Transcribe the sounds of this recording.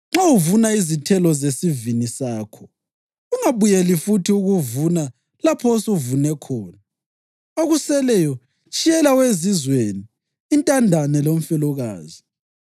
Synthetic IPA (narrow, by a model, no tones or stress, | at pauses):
ŋ͡ǁawuvunaizitʰɛlɔzesivinisaːkʰɔ | uŋaβujɛlifutʰiuɣuvuna | lapʰɔsuvunɛkʰɔːna | oɣusɛlɛjɔ | t͡ʃʼijɛlawezizweniː | ntʼandʱanɛlom̩fɛlɔɣa̰ːzi